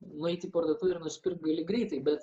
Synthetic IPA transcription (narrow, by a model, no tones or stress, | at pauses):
nʊɛɪt̪ʲiːpoɾd̪ɐt̪uɪrnʊsʲɪ̥pʲɪrk̚t̪̚ɡɐlʲɪɡɾʲɛɪt̪ɐɪbʲɛt̪